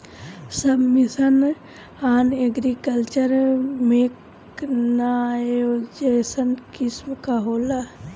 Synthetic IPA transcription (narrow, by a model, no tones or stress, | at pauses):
sɐbmːisən | aːneɡɾikəlt͡ʃəɾmek | najod͡ʒesənkismkaɦoːla